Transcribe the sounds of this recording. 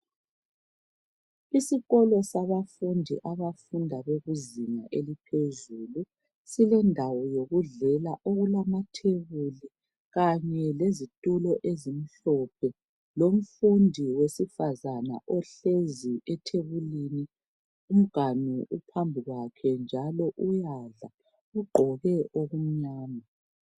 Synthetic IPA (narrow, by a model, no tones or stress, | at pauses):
isiɣɔlɔsaβafundʱḭʔaβafundʱaβeɣuziŋa̰ʔelipʰezuːlu | silɛndʱawɔjoɣuɮɛlaʔoɣulamatʰeβuli | ɣaɲɛlezitʼulɔʔezim̩ɬɔp̚ʰɛ | lom̩fundʱiwesifazana̰ʔɔɬeziʔɛtʰeβulini | um̩ɡ̥ʱaniupʰambʱiɣwakʰɛnd͡ʒʱalɔʔujaɮa | uɡ͡ǃʱɔɣɛʔoɣum̩ɲaːna